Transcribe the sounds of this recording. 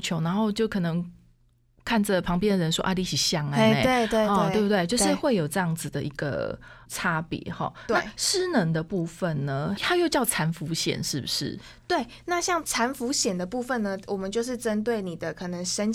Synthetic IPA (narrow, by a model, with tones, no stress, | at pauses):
t͡ɕʰjo˧˥ʊna˧˦nxo˥˧ʊt͡ɕjo˥˩ʊkʰɤ˨˩nɤ˧˦ŋ | kʰa˥˩nd͡zə˨˩pʰɑ˧˥ŋp̬jɛ˥˦nd̪ə˨˩ɻə˧˥nʂwɔ˦ʔa˥˧˩li˧˥˩ɕi˨˩ɕjɑ˥ŋ˧˥˧we˥˧ɪt̪we˥˧˥e˥˧˥t̪we˥˧ɪt͡ɕjo˥˧ʊʂɻ̩˥˧xwe˥˩ɪjo˨˩ʊʈ͡ʂɤ˥˧jɑ˥˩ŋd͡z̩˨d̪ə̰˩ʔi˧˦˥ɡə̰˨ʈ͡ʂʰa˥pjɛ̰˨˩˦xɔ̰˨˩na˥˧˩ʂɻ̩˥nə˧˥ŋd̪ə˧pu˥˧fə˨˩nnə˩t̪ʰa˥jo˥˧ʊt͡ɕjɑ˥˩ʊt͡sʰa˧˥nfu˧˥ɕjɛ̰˨˩nʂɻ̩˥˩bṵ˩ʂɻ̩̰˥˩ | t̪we˥˩ɪ | na˥˧ɕjɑ˥˩ŋt͡sʰa˧˥nfu˧˥ɕjɛ˨˩nd̪ə˩˦pu˥˧fə˨nːə˩wʔɔ˨˩mə˨˦nt͡ɕjo˥˧ʊʂ̬ɻ̩˥˩ʈ͡ʂə˦nt̪we˥˩ɪni˨˩d̪ə˦kʰɤ˨˩nə˧˦ŋʂə˦n